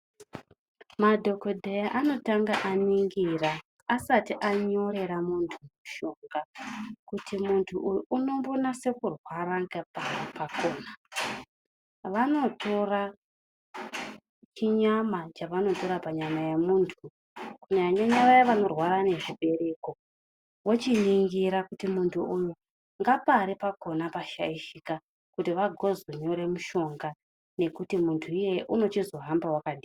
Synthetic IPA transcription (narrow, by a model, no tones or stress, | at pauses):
madʱo̞ko̞dʱejaʔano̞taŋɡaʔaniŋɡira | asatiʔaɲo̞ɾe̞ɾamuntʰumuʃo̞ŋɡakutimuntʰuʔjunombonase̞kurwaɾaŋɡapapako̞ːna | ʋano̞tʰo̞ra | t͡ʃiɲamat͡ʃaʋano̞to̞ɾapaɲamajemuːntʰu | kuɲaɲaɲaʋajaʋano̞rwaɾane̞ʐiɓe̞ɾe̞ko̞ | wot͡ʃiniŋɡiɾakutimuntʰuʔuju | ŋɡapaɾepako̞napaʃa̰iʃika | kutiʋaɡʱo̞zoɲo̞ɾe̞muʃo̞ŋɡa | ne̞kutimuntʰuije̞ʔuno̞t͡ʃizo̞ɦambawakaɗiːa